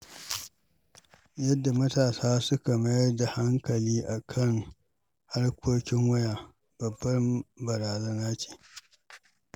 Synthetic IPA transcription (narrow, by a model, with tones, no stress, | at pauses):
jɐ˦dːa˨mɐ˦taː˨saː˦sʊ˦ka˨mɐ˦jɐ˦rda˨ha˦ŋkɐ˨liː˦ʔa˨kʰɐ˦˨ŋ | ha˦rkʷʰoː˦kʲɪ˦ŋwɐ˦jaː˨ | b̥ɐ˨bːɐ˦mbɐ˨ɾaː˨zɐ˦naː˦t͡ʃe̥ː˨